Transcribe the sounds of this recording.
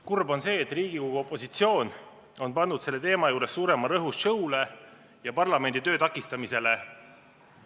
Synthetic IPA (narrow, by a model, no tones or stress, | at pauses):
kurbo̞nse̞ːt̪ːˑriːɡikoɡ̥uo̞pːˑo̞sit̪sio̞ːn | o̞npɑnd̪ud̪̥se̞lːe̞t̪e̞ːmɑjuːɾe̞sːuːɾe̞mɑɾɤɦusʃɤwle̞ | jɑpɑrlɑme̞nd̪̥it̪ø̞ːt̪ɑkːˑist̪ɑmise̞le̞